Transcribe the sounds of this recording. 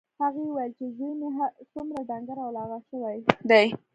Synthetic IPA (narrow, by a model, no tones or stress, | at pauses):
haɣewajəlt͡ʃezujneɦasumɾadaŋɡaɾawlɑɣaʃəwajd̪aj